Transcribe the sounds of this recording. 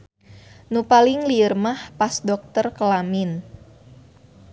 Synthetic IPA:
nupalɪŋliərmahpasdɔk̚t̪ərkəlamin

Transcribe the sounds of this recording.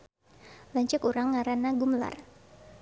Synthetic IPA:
laɲt͡ʃɛkuɾaŋːaɾanaɡumla̰r

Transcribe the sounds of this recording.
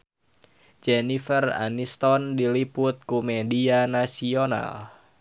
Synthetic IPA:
d͡ʒenifəra̰nist̪ɔndilipʊt̪̚kumedianasiona̰l

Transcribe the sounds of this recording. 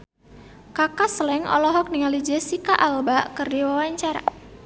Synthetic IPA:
kakasəlɛŋɔ̰lɔɦɔk̚niŋalid͡ʒesikaʔalbaʔkərdiwawaɲt͡ʃaɾa̰

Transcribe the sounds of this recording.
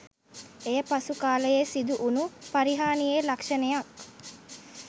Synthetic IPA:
ejəpasukaːləjesid̪uʔunupaɾiɦaːnijeːlakʂɐnejak

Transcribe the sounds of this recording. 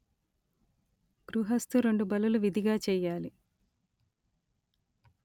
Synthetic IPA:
ɡ̥ɾuɦɐst̪uɾe̞ɳɖubɐluluʋid̪ʱiɡaːt͡ʃɛːjːaːli

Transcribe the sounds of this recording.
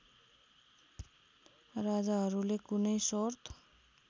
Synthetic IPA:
rad͡zaɦʌɾulekunʌjsort̪ʰ

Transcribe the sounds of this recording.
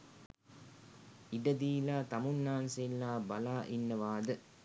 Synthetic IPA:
iɖɐd̪iːlaːt̪ɐmunːaːnselːaːbɐlaːʔinːɐʋaːd̪ə

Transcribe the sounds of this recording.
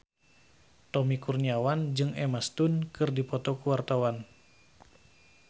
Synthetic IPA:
t̪ɔmikurɲiawand͡ʒɨŋɛmast̪unkɨrdipɔt̪ɔkuwart̪awan

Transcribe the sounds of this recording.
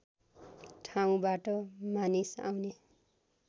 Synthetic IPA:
ʈʰaw̃baʈʌmanisa̰wne

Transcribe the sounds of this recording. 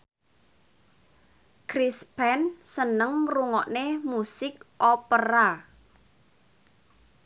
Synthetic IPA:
kɾispɛnsənəŋruŋɔʔnemusɪk̚ʔɔpəɾa

